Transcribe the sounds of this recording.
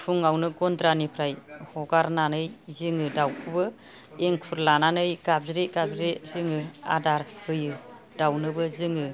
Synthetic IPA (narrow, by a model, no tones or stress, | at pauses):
pʰuŋawnɯɡɔndɾanipʰɾajhɔɡaɾnanɯjzɯŋɯdawkʰɯbɯ | eŋkʰuɾlananɯjɡab̚zɾeɡab̚zɾezɯŋɯa̰daɾhɯjɯ | d̥awnɯbɯzɯŋɯ